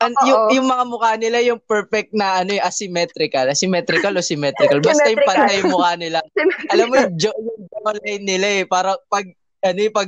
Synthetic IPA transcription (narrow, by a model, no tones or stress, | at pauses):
ʔɐnjʊjʊŋmɐŋamʊkaːnɪlajʊŋpɛɹfɛk̚t̪̚nɐʔɐno̞ɛʔɐsɪmɛt̪ɾɪkɐlʔɐsɪmɛt̪ɾɪkɐlosɪmɛt̪ɾɪkɐlbɐst̪ɐjʊŋpɐnt̪ajʊŋmʊkaːnɪlaŋʔɐlamːojʊŋd͡ʒjʊŋd͡ʒolɐjnːɪlaɛpaːɾɐpɐɡ̚ | ʔɐnoɛpɐɡ̚